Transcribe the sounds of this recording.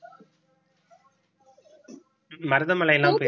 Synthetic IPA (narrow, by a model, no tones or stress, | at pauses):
mɐɾɯðɐmɐɭɐɛlːaːmpe